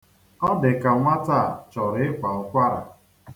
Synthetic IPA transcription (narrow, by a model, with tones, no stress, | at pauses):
ɔ˦dɪ˨ka˨ŋʷa˦ta˦˨t͡ʃɔ˨ɾɪ˦ɪ˦kʷa˨ʊ˨kʷa˦ɾa̰˨